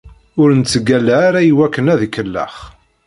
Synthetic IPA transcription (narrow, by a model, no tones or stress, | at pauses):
ʊɾənt͡sːəɡælːaːɾæjiwækːənæðkːəlːə̰χ